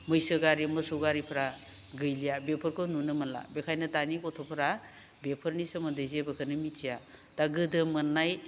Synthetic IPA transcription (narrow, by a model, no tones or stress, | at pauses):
mɯjsɯɡaɾimɯsɯwɡaɾipʰɾa | ɡɯjlijabepʰɔɾkʰɯnunɯmɐnla̰bekʰajnɯtanikɔtʰɔpʰɐɾa | bepʰɯɾnisɔmɐdɯzebɐkʰɯnɯmitijataɡɯdɯmɯnːaj